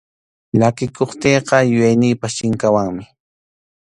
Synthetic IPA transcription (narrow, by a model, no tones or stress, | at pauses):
ʎakɪkoχt̪eːqɑjʊjajnɪːpaʃɪŋkawaŋmɪ